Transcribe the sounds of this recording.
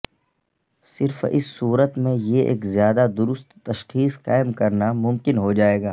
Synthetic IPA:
sɪɾfɪ̰sːuːɾət̪mẽjeʔḛːkzjaːd̪ad̪ʊɾʊst̪ːɐʃxiːsqa̰ːɪmkɐɾnamʊ̃mkɪnɦod͡ʒaːeːɡaː

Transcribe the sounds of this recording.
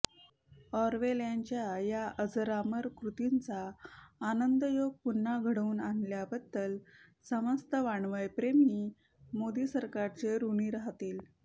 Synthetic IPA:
ɔɾʋeljaɲt͡ɕjajaəd͡zɾaməɾkɾut̪int͡saː | nənd̪əjoɡ̚punːaɡʱəɽuːnanljabəd̪ːəlsəməst̪əʋaɳʋəjpɾemi | mod̪iːsəɾkaɾt͡seɾuniːɾaɦt̪iːl

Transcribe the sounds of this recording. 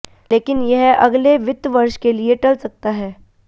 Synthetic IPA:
leːkɪnjɐɦɐɡleʋɪt̪ːʋɐɾʃkelieʈɐlsɐk̚t̪aɦɛː

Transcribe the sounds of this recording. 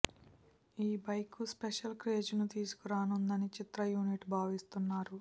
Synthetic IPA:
iːbɐjkuspeʃɐlkɾe̞ːd͡ʒnut̪iːsu̥kuɾaːnund̪ɐnit͡ʃit̪ɾɐjuːniʈbʱaːʋist̪unːaːɾu

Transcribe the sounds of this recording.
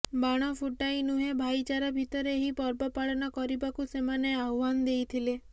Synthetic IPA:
baɽ̃ɔpʰuʈajnuɦebʱajt͡ʃaɾɔbʱit̪ɔɾeɦipɔɾbɔpaɭɔnɔkɔɾibakusemaneaɦuwand̪ejt̪ʰile

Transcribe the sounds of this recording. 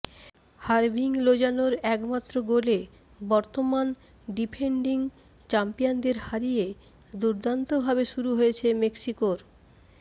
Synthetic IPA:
haɾbʱiŋlod͡ʑanoɾɛkmat̪ːɾoɡole | bɔɾt̪oman | ɖipʰeɳɖiŋ | t͡ɕampijand̪eɾhaɾije | d̪uɾd̪ant̪obʱabeʃuɾuɦojet͡ɕʰemeksikoɾ

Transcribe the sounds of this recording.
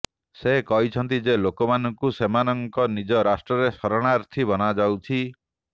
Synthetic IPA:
sekɔɦit͡ʃʰɔnt̪̬id͡ʒelokɔmanɔŋkusemanɔŋkɔnid͡ʒɔɾasʈɾɔɾesɔɾɔɽ̃aɾt̪ʰibɔnad͡ʒawt͡ʃʰi

